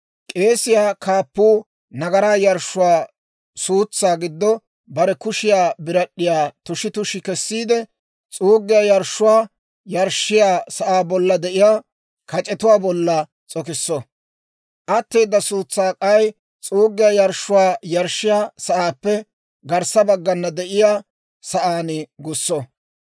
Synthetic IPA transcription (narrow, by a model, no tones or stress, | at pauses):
kʼe̞ːsɪjaːkʰaːpːuː | nɐɡɐɾaːjɐɾʃːʊwaː | suːt͡sːaːɡɪd̪ːɔ | bɐɾɛkʊʃɪjaːbɪɾɐɗːɪjaːt̪ʊʃɪt̪ʊʃɪkɛsːiːd̪ɛ | t͡sʼuːɡːɪjaːjɐɾʃːʊwaː | jɐɾʃːɪjaːsɐʔaːbɔlːɐd̪ɛʔɪjaː | kɐt͡ʃʼɛt̪ʊwaːbɔlːɐ | t͡sʼɔkɪsːɔ | ʔɐt̪ːeːd̪ːɐsuːt͡sːaːkʼɐj | t͡sʼuːɡːɪjaːjɐɾʃʊwaːjɐɾʃːɪjaːsɐʔaːpːɛ | ɡɐɾsɐbɐɡːɐnːɐd̪ɛʔɪjaː | sɐʔaːnɪɡʊsːɔ